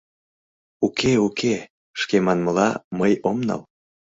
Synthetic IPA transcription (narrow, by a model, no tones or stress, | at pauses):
ukʰeukʰe | ʃkemɑnməlɑməjomnɑ̰l